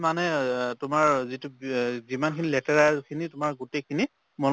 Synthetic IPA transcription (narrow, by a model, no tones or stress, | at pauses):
manɛtʊmaɹzituzimankʰinilɛtɛɹakʰinitʊmaɹɡutejkʰini | mɔn